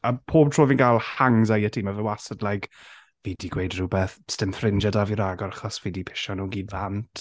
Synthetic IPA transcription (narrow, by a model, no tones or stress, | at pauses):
apʰoːb̚tʰr̥oːvinɡalˠhaŋzajətʰiːmavɛwasədlajk | viːdiɡwejdrubɛθstɪmθrɪnd͡ʒadaviɾaɡɔɾaχɔsviːdipʰɪ̥ʃɔnuːɡivantʰ